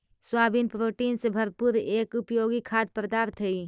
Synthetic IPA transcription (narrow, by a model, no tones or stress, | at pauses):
swaːbinpɾoːʈinsebʱəɾpuɾeːkʊpjoːɡikʰaːd̪̚pɾəd̪aɾt̪ʰəi